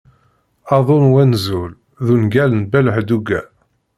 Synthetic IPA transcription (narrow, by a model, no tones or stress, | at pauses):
ɑðˤonwænzul | ðunɡælənbæləħd̪uɡæ̰